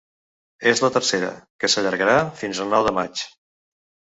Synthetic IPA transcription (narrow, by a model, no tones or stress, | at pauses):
ezlət̪əɾseɾə̰kəsəʎəɾɣəɾafinzəlˠnɔwðəmat͡ʃ